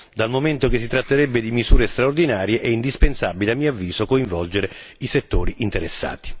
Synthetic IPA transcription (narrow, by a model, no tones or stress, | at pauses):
d̪almoment̪okesːit̪ɾat̪ːeɾɛbːed̪imizuːɾest̪ɾaord̪inaːɾjeʔɛind̪ispensabileamːiːoavːiːzokoiɱvɔld͡ʒeɾe | iset̪ːo̰ːɾiʔint̪eɾesːa̰ːt̪i̥